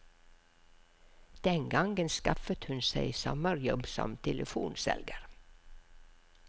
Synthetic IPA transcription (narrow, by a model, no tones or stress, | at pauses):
d̪̥ɛŋɡɑŋɡənskɑfət̪hʉnsæɪsɔməɾjɔbsɔ̰mt̪ʰɛlʔəfṵːnsɛ̰lɡəɾ